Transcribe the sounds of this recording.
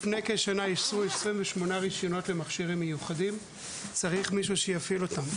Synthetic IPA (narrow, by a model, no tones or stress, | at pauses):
fnejkeʃanajisʁuesʁimveʃmo̞naʁiʃjo̞no̞tle̞maχʃiʁimːejuχadim | t͡saʁiχmiʃuʃejafilo̞tam